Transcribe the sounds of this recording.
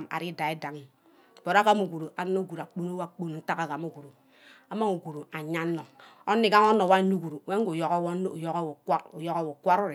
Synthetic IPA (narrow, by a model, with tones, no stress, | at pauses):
ma̰˨ɾi˦da˨i˦da˨ŋi˨ | b̥o˨ɾa˦ka˦mu˨ɡu˨ɾu˨ʔa˨ni˦no˦ɡu˨ɾa˨k͡po˦no˦wa˦˨k͡po˦n˨n̩˦ta˦ka˨ɡa˨mu˦ɡu˨ɾu˨ | a˨ma˦ŋu˨ɡu˨ɾu˨a˨ɲa˦nːo˨ | o˦nːi˦ɡa˦ŋ˦o˦no˨wa˦ɲu˦ɡu˨ɾu˨˦e˦ŋ˦u˨jo˨ɣo˦wo˦n˦˨jo˦ɣwu˨jo˦ɣo˦˨wo˨kʷa˦ɾo˦ɾ